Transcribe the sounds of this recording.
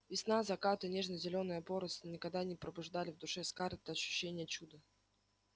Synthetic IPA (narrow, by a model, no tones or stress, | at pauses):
vʲɪsnazɐkat̪ɨnʲe̞ʐnəjzʲɪlʲo̞nɨjəpo̞ɾəst̪ənʲɪkɐɡ̚d̪anʲɪpɾəbʊʐd̪alʲɪvd̪ʊʂɛskart̪ːəɐɕːʉ̥ɕːenʲɪjət͡ɕud̪ə